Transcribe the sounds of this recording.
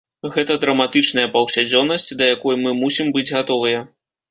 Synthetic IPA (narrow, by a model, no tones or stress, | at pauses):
ɣɛt̪ɐd̪ɾɐmat̪ɨt͡ʂnɐjɐpɐwsʲad͡zʲɔnːɐsʲt͡sʲd̪ɐjakɔjumɨmusʲimbɨd͡zʲɣat̪ɔvɨjɐ